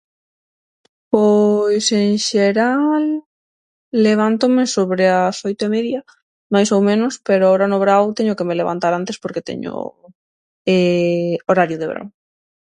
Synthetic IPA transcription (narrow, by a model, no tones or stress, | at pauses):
pojseŋʃeɾalː | eβ̞ant̪omesoβɾeasojt̪oemeðja | majsowmẽnʊspeɾʊaoɾanoβɾawt̪eɲʊkemeleβa̰nt̪aɾant̪espoɾket̪ḛɲʊ̰ | eoɾaɾjʊðeβɾa̰w